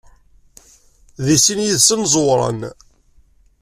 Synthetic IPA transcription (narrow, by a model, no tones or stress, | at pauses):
ðisinjiðsənzˤwɾˤɑ̰n